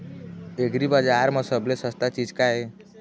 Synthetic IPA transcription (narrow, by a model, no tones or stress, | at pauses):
eɡɾibad͡ʒaɾməsəblesəst̪at͡ʃid͡ʒkae